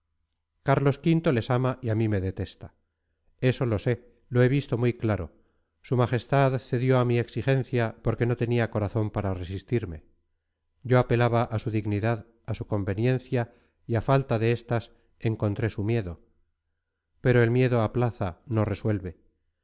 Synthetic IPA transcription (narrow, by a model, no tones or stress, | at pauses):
kaɾlo̞skint̪o̞le̞samaʔiamime̞ðe̞t̪e̞st̪ḁ | e̞so̞lo̞se̞ | lo̞e̞β̞ist̪o̞mujklaɾo̞̰ | sumaχe̞st̪aðθe̞ðjo̞amie̞ksixe̞nθjapo̞ɾke̞no̞t̪e̞niako̞ɾaθo̞mpaɾare̞sist̪iɾme̞ | ɟ͡ʝo̞ape̞laβaʔasuðiɣniðað | asuko̞mbe̞njẽ̞nθja | iafalt̪aðe̞est̪as | e̞ŋko̞nt̪ɾe̞sumje̞ðo̞ | pe̞ɾo̞e̞lmje̞ðo̞aplaθano̞re̞swe̞lβe̞